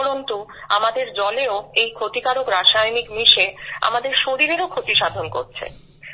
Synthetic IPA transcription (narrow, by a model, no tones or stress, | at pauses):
ɾont̪u | a̰mad̪eɾd͡ʑɔleoejkʰot̪ikaɾokɾaʃajnikmiʃea̰mad̪eɾʃoɾiɾeɾokʰot̪iʃad̪ʱonko̰ɾt͡ɕʰḛ